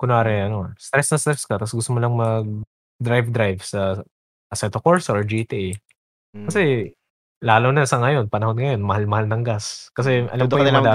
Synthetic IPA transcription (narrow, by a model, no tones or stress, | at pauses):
kʊnaːɾɛɐnost̪ɾɛsnɐst̪ɾɛskɐt̪ɐsɡʊst̪omolɐŋmɐɡ̚ | d̪ɾajvd̪ɾajvsɐ | ʔɐsɛt̪okoɹsʔoɹd͡ʒit̪iʔ | kɐsɛ | laːlonɐsɐŋɐjo̞npɐnɐho̞d̪̚ŋɐjo̞nmɐhalmɐhalnɐŋɡaskɐsɛʔɐ̰lɐmpɐjʊmɐd̪aː